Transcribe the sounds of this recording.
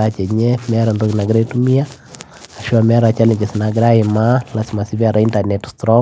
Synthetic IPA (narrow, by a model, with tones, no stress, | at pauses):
a˦t͡ʃɛ˨ɲɛ˦mɛ˦ɾa˨ndo˦kna˨ɡɾa˦tu˦mi˦a˦ | a˨ʃi˦a˨mɛ˦ɾa˨t͡ʃa˦li˨ɲt͡ʃɛsina˨ɡɪ˦ɾa˦i˨ma˦la˨si˨ma˨si˦ba˨ɾa˨intanɛtstɾɔ˦